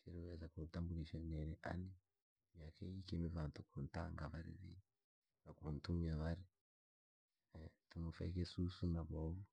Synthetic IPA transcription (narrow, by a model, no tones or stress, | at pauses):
t͡ʃiɾiβezakutaːmbuɾiʃaneɾeʔani | mjaːkejikemeβaːntukunta̰ŋɡaβaɾḭβḭ | ɾakuːntumjaβaɾi | tumufa̰ikesusunaβoβu